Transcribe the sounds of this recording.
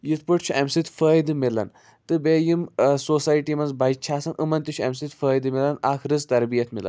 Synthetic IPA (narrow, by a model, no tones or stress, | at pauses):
jit̪pɨʈt͡ʃʰuɐmsit̪fəːjd̪ɨmilɐ̰n | t̪ɨbeːjimsoːsaːjʈimɐnzbɐjt͡ʃʰaːsɐnʔɨmɐnt̪it͡ʃʰuɐmsit̪fəːjd̪ɨmilɐnaːkʰɾɨzt̪ɐɾbijɐt̪ʰmilɐ̰n